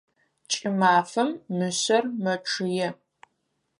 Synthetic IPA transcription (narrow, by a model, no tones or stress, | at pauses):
t͡ʃʼɪmaːfɐmːɨɕɐrmɐʈ͡ʂʰɨjɛ